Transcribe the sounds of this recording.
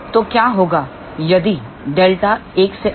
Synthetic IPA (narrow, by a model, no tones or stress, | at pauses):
t̪okjaːɦoːɡa | jɐd̪i | ɖeːlʈaeːkse